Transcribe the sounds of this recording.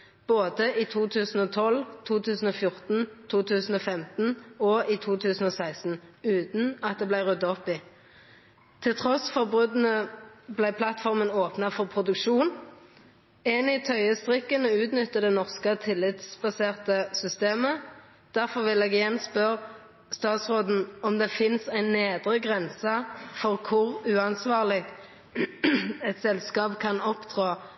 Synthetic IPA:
b̥oːd̪əiːt̪ʰuːt̪ʰʉːsn̩ɔt̪ʰɔlːt̪ʰuːt̪ʰʉːsn̩ɔːfjʊʁt̪n̩t̪ʰuːt̪ʰʉːsn̩ɔːfɛmt̪n̩ɔʔiːt̪ʰuːt̪ʰʉːsn̩ɔsæɪst̪n̩ʉːt̪n̩ɑt̪̚d̪eːblæɪʁʉd̪ɑɔpːi | t̪ʰɪlt̪ʰʁɔsfɔʁbʁʉd̪n̩əblæɪpʰlɑt̪fɔʁmənoːpnɑfɔʁpʰʁʊd̪ʉkʃuːn | eːnɪt̪ʰœʏəst̪ʁɪkːənəʉːt̪nʏt̪ːəd̪ɛːnɔʁskət̪ʰɪlːɪt̪sbɑseːʁt̪əsʏst̪eːmə | d̪̥æʁfɔʁʋɪleːɡjɛnspœʁ | st̪ɑːt̪sʁoːd̪n̩ɔmd̪eːfɪnsæɪnːeːd̪ʁəɡʁɛnsɑfɔʁkʰʊʁʉːɑnsʋɑːʁlɪ | ɛt̪sɛlskɑːpkʰɑnɔpd̪ʁɑː

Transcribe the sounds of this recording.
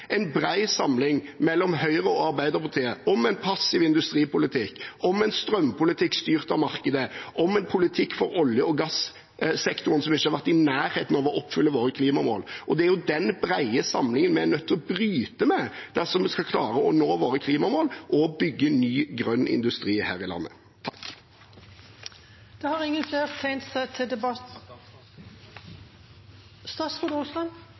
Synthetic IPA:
ʔɛɪnbɾæɪsɑmlɪŋmɛlːɔmhœʏɾəɔɑɾbæɪd̪ʁpʊt̪ʰeːəɔmɛɪnpʰɑsːɪʋɪnd̪ʉst̪ɾiːpʊlɪt̪ʰɪkːɔmɛɪnst̪ɾœmpʰʊlɪt̪ʰɪkst̪yːʁt̪ɑʋmɑʁkəd̪əʔɔmɛnpʰʊlɪt̪ʰɪkːfɔɾɔljəɔɡɑs | sɛkt̪ʊɾənsɔmɪçːhɑɾʋæɾt̪ɪnæːɾheːt̪n̩ɑʋɔʔɔpːfʏlːəʋoːɾəkʰliːmɑmo̰ːlʔɔd̪ɛæɾjʊd̪ɛnbɾæɪəsɑmlɪŋənmɛænœt̪ːɔbɾyːt̪əmɛd̪̥æʁsɔmɛskɑkʰlɑːɾəɔnoːʋoːɾəkʰliːmɑmoːlʔɔbʏɡːənyːɡɾœnːɪ̰nd̪ʉst̪ɾiːhæ̰ːɾɪlɑ̰nːə̰ | t̪ʰɑ̥k | d̪̥ɛhɑɾɪŋːənfleːɾt̪ʰɛɪnt̪sæɪt̪ʰɪd̪ɛbɑ | st̪ɑsud̪ʊslɑn

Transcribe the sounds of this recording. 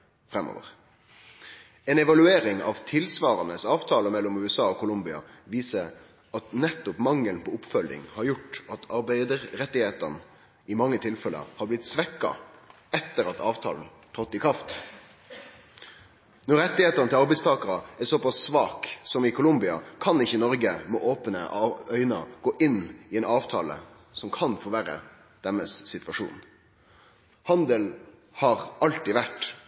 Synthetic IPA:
fɾɛmo̰ːʋə̰ʁ | ɛnɛʋɑlʉeːɾɪŋɑ̰ʋt̪ʰɪlsʋɑːɾɑnəsɑːʋt̪ʰɑːləmɛlːɔmʉːɛsɑːɔkʊlʊmbɪɑ̰ʋiːsəɾ | ʔɑt̪nɛt̪ːɔpmɑŋːəlnpʰoɔːʊpfœldɪ̰ŋhɑɾjʊʈːɑt̪ʰɑɾbæɪd̪əɾɾɛt̪ːɪheːt̪ə̰ɾn | ɪmɑŋːət̪ʰɪlfɛlə̰hɑblɪt̪sʋɛkːɑ̰ | ɛt̪ːəɾɑt̪ʰɑ̰ːʋt̪ʰɑ̰ːln̩ | t̪ʰɑt̪ːɪkʰɾɑft̪ | nɔɾɛt̪ːɪheːt̪əɾnəɪlɑɾbɛɪst̪ʰɑːkəɾɑæsɔpɑsːʋɑːksɔmɪkʰʊlʊmbɪɑ̰kʰɑnɪçːənɔɾɡəmɛʔoːpənə̰ʔœʏnɑ̰ɡ̥oːʔɪnːɪɛnɑːʋt̪ʰɑːlə̰ | sɔmkʰɑnfoːʋæːɾə̰ | d̪̥ɛmːəsːɪt̪ʋɑʂṵːn | hɑnd̪əl | hɑɾɑlt̪ɪʋæʈ

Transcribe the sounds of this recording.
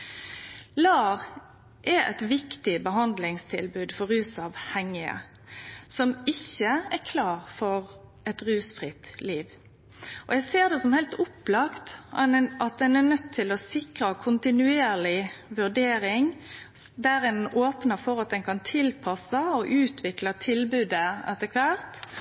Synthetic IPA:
lɑːʁ | ʔɛɾɛ̰t̪ʋɪkt̪ɪbəɦɑnd̪lɪŋst̪ʰɪlbʉːd̪fɔɾʉːsɑʋhɛŋɪə̰ | sɔmɪçːəækʰlɑːʁfɔɾʔɛt̪ɾʉːsfɾɪt̪liːʋ | ʔɔjɛɪseːʁd̪ɛsɔmhɛɪlt̪ʊplɑkt̪ʔɑt̪̚d̪ɛnæʁnœt̪ʰːɪlɔsɪkɾəkʰʊnt̪ɪnʉeːɾlɪʋʉʁɖ̪eːɾɪŋ | d̪æːɾɪnʔoːpnəfɔɾɑt̪̚d̪ɛnkʰɑnt̪ʰɪlpʰɑsəɔʔʉːt̪ʰʋɪklɑt̪ʰɪlbʉːd̪əɛ̰t̪ːəkʰʋæːɾt̪

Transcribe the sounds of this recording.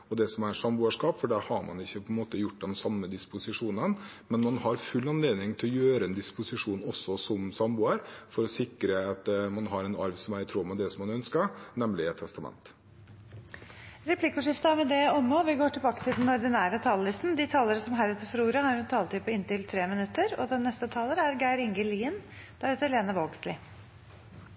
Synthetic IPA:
ɔd̪ɛsɔmæsɑmbuːəʂkɑːpfɔɖæɾhɑɾmɑ̰nɪçːəpʰɔɛnmoːt̪əjʊʈːd̪ɛnsɑmːəd̪ɪspʊsɪʂuːnənmɛnmɑnhɑɾfʉlːɑnleːd̪ɪŋt̪ʰɪlɔjøːɾəɛnd̪ɪspʊsɪʂuːnɔsːɔsɔmsɑmbuːəɾfɔɾɔsɪkɾəɑt̪mɑnɦɑɾɛnɑɾʋsɔmæɾɪt̪ʰɾuːmɑd̪ɛsɔmːɑnœnskəɾnɛmlɪɛt̪ʰɛst̪ɑmɛ̰nt̪ | ɾɛpʰlɪkʊʂɪft̪ɑmɛd̪ɛɔmːoːʋɪɡoːʈʰɪlbɑːkə̥t̪ʰɪld̪n̩ɔɾɖ̪ɪnæːɾət̪ʰɑːləlɪst̪n̩d̪ɪt̪ʰɑːləɾəsɔmɦæɾɛt̪ːəɾfɾuːɾɑhɑɾt̪ʰɑːlt̪ɪpʰɔɪnt̪ɪlt̪ʰɾeːmɪnʉt̪ːəɾɔd̪ɛnːɛst̪ət̪ʰɑːləɾəæɾɡæɪɾɪŋɡəliːn | d̪̥æɾɛːt̪əɾleːnəʋoːɡslɪ

